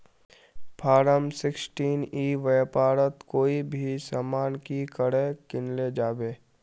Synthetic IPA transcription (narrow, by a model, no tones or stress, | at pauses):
pʰaːɾəmsɪksʈiːniːʋejpaːɾət̪koːibʱisamaːnkikəɽekɪnled͡ʒaːbeː